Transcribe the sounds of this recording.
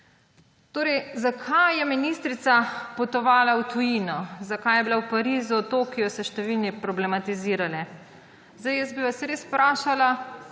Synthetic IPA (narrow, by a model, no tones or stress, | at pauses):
t̪oːɾɛjzakʰajjɛminist̪ɾit̪sapɔt̪ɔʋaːlawt̪ujiːnɔzakajɛbilawpaɾiːzut̪oːkijɔsɛʃt̪ɛʋilnipɾɔblɛmat̪iziːɾalɛ | zd̪ajɛsbiʋasɾeːspɾaːʃala